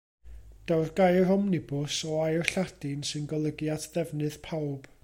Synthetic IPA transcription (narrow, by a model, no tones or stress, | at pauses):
d̥awrɡ̥ajrɔmnɪbʊsɔajrɬad̥ɪnsɨnɡɔlˠəɡjatʰðɛvnɨðpʰawb̥